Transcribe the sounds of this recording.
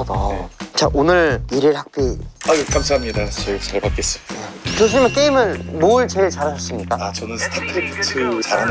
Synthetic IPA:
dot͡ɕaʔonɯɾiɾiɭhak̚p͈iakamsʰaɦamɲidat͡ɕʌt͡ɕaɭpak͈es͈ɯmit͡ɕoɕ̬ʰimjʌnk͈eimɯɭmoɭt͡ɕeɭt͡ɕaɾaɕʰas͈ɯmɲik͈aat͡ɕʌnɯnsʰɯ̥tʰatʰɯɾikʰtʰut͡ɕaɾɦan

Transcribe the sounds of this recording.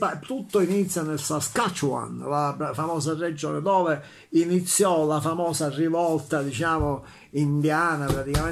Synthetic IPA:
pat̪ut̪ːoinit̪sːjanelsaskat͡ʃːua̰nlapɾafamɔːsared͡ʒːɔːned̪ɔːve | init̪sːjɔlafamɔːsarivɔlt̪ad̪it͡ʃaːmo | ind̪jaːnapɾat̪ikamɛ

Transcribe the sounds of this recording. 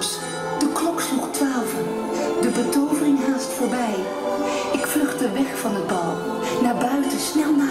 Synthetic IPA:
s | d̥əklɔkslɔχtʋaːvən | dəbətowvərɪŋɦaːstfʊːɹbɛj | ɪkflɵχtəʋɛχfɑnəd̚bɑlˠ | naːɹbœɥtəsnɛlˠna

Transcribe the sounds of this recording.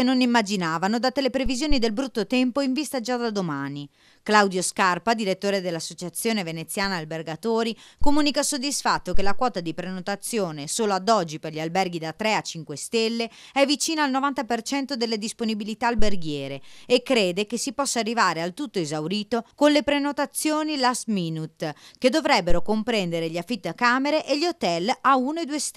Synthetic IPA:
enonimːad͡ʒinaːvanod̪at̪elepɾevizjoːnid̪elbɾut̪ːot̪ɛmpoiɱvist̪ad͡ʒad̪ad̪omaːni | klawd̪joskarpad̪iɾet̪ːoːɾed̪elːasːot͡ʃat̪sːjoːnevenet̪sːjaːnaːlberɡat̪oːɾikomuːnikasod̪ːisfat̪ːokelakwɔːt̪ad̪ipɾenot̪at̪sːjoːnesoːload̪ɔd͡ʒːiperʎialbɛrɡid̪at̪ːɾɛat͡ʃːiŋkwest̪elːe | ɛvit͡ʃiːnaalnovant̪apert͡ʃɛnt̪od̪elːed̪isponibilit̪aːlberɡjɛːɾeekːɾeːd̪ekesipɔsːaarːivaːɾealt̪ut̪ːoezawɾiːt̪okonlepɾenot̪at̪sːjoːnilasmiːnut̪ked̪ːovɾɛbːeɾokompɾɛnd̪eɾeʎafːit̪ːkaːmeɾeʔeʎot̪ɛlaunoed̪uːest̪

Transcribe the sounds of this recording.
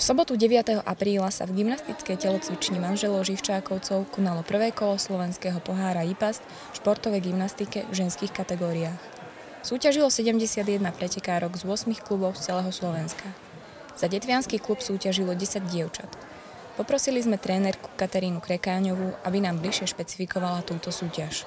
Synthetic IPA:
fsɔbɔt̪uɟɛʋɪat̪ɛɦɔʔapɾiːlasa̰vɡimnast̪it͡skɛjcɛlɔt͡sʋit͡ʃɲimanʒɛlɔʊʒift͡ʃaːkɔʊt͡sɔʊkɔnalɔpr̩ʋɛːkɔlɔslɔʋɛnskɛːɦɔpɔɦaːɾaipasc | fʃpɔɾt̪ɔʋɛjɡimnast̪ikɛvʒɛnskiːxkat̪ɛɡɔːɾiaːx | suːcaʒilɔsɛɟɛmɟɛsɪad̪jɛd̪napɾɛcɛkaːɾɔɡzʊɔsmixklubɔʊst͡sɛlɛɦɔslɔʋɛnska | z̥aɟɛt̪ʋɪanskiklupsuːcaʒilɔɟɛsaɟɟɪɛʊt͡ʃat̪ | pɔpɾɔsilizmɛt̪ɾɛːnɛɾku̥kat̪aɾiːnukɾɛkaːɲɔʋuʔabinaːmbliʃɪɛʃpɛt͡si̥fikɔʋalat̪uːt̪ɔsuːcaʃ

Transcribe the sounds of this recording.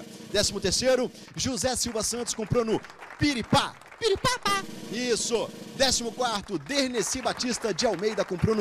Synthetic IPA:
d̪ɛsimʊt̪eɾsejɾʊ | ʒuzɛsiwvɐsɐ̃nt̪ʊskõmpɾonʊpiɾipa | piɾipapaisʊd̪ɛsimʊkwaɾt̪ʊd̪eɾnesibat͡ʃist̪ɐd͡ʒɪawmejd̪ɐkõmpɾon

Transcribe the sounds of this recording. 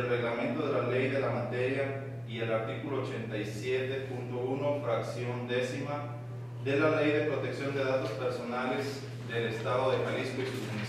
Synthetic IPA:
lre̞ɣlamẽ̞nt̪o̞ðe̞lale̞jðe̞lamat̪e̞ɾja | ie̞laɾt̪ikulo̞ːt͡ʃe̞nt̪ajsje̞t̪e̞punt̪o̞uno̞fɾaksjo̞nd̪e̞sima | ðe̞lale̞jðe̞pɾo̞t̪e̞ksjo̞nd̪e̞ðat̪o̞spe̞ɾso̞nale̞z | d̪e̞le̞st̪aðoðe̞paliskoisusuen

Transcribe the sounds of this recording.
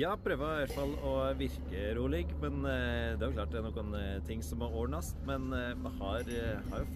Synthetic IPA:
jɑːpʰɾøːʋəɾɑləfɑlːɔʋɪɾkəɾuːlɪɡmɛnd̪ɛæɾjʊklɑːʈ̚d̪ɛæɾnɔɡɔnt̪ʰɪŋːsɔmæɾoːɳɑst̪mɛn | mɑhɑɾhɑɾjʊ

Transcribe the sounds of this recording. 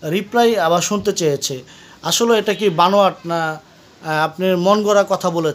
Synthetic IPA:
ɾiplajaβaɾʃunt̪et͡ɕajet͡ɕʰe | aʃoleeʈakibanoaʈ̚na | apneɾmonɡɔɾakɔt̪ʰabolet͡ɕʰ

